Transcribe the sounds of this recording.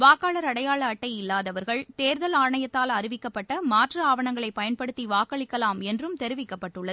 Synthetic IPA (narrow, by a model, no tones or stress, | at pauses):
ʋaːkaːɭɐɾɐɽɐjaːɭɐːʈːɐɪjɪlːaːðɐʋɐɾɣɐɭt̪eːɾðɐlaːɳɐjɐt̪ːaːlɐrɪʋɪkːɐpːɐʈːɐmaːʈrɯaːʋɐɳɐŋɡɐɭɐɪpɐjɐnpɐɽɯt̪ːiʋaːkɐɭɪkːɐlaːmɛndrɯmt̪ɛɾɯʋɪkːɐpːɐʈːɯɭːɐð